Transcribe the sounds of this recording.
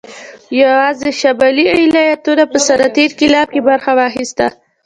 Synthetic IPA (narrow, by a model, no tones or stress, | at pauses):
jawɑzeʃabɑlialɑjat̪unapəsaɾɑt̪eɾkɪlɑb̚kebaɾxawɑxist̪a̰